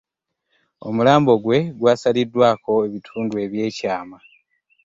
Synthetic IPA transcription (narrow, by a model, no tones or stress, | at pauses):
o̞mulaːmbo̞ɡwe̞ɡwaːsalidːwaːko̞e̞βitʰuːndue̞βje̞ːcaːma